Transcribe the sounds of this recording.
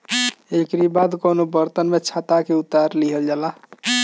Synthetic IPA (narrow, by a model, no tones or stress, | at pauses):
ekɾibad̪konobəɾt̪ənmet͡ʃʰat̪akeut̪aɾliɦəld͡ʒala